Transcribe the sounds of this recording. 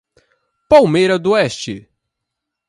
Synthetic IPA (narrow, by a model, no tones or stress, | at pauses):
pawmejɾɐd̪ʊɛst͡ʃɪ